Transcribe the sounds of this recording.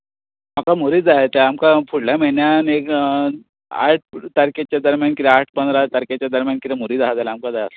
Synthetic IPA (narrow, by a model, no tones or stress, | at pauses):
makamoɾiːd͡zaɦet̪eamkapʰuɽlameɭɳjanek | a̰ʈ̚ʰt̪əɾket͡ɕjad̪əɾmjankiɾeaʈ̚ʰpənd̪ɾat̪əɾket͡ɕjad̪əɾmjankiɾemoɾiːd͡zaɦd͡zajlaːmkad͡zajasa